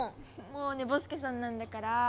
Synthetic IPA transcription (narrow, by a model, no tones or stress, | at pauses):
moːne̞bo̞sɨ̥kes̬ãnːãnd̪akaɾa